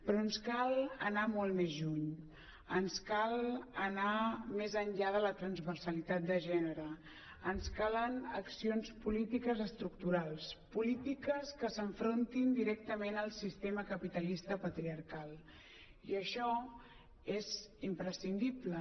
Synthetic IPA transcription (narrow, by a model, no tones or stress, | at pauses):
pɾɔnskalˠənamɔlˠmezʎuɲ | ənskalˠənamezənʎaðələt̪ɾənzβəɾsəlit̪at̪̚d̪əʒɛnəɾə | ənskalənə̰ksionspulit̪ikəzəst̪ɾuk̚t̪uɾalˠspulit̪ikəskəsəɱfɾont̪ind̪iɾɛk̚t̪əmenəlˠsist̪eməkəpit̪əlist̪əpət̪ɾiəɾkalˠ | iəʃɔ | ezimpɾəsind̪iβlə